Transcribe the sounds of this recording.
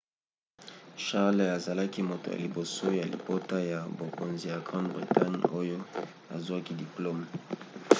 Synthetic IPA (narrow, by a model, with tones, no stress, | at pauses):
ʃa˦ʁla˨za˨la˦ki˦mo˨to̰˨ja̰˨li˨bo˨so˦ja˨lḭ˨po˦ta˦ja˨bo˨ko˨nzi˨ja˨ɡʁã˦ndbʁi˨ta˦ɲo˦jo˦ | a̰˨zu˦a˦ki˦di˨plo˦m˨